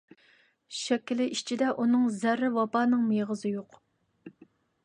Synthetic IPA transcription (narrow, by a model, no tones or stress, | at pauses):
ʃɛkʲːilɪʔit͡ʃʰid̪ɛʔunɨŋzæɾːɪvɑbɑːnɨŋmeʁəzɨjoq